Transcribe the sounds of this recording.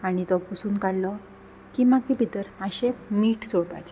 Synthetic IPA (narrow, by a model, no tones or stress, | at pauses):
aɽ̃it̪ɔpusuːnkaɽlɔ | kimakipit̪əɾaɕemiːʈsoɽpa̰t͡ɕe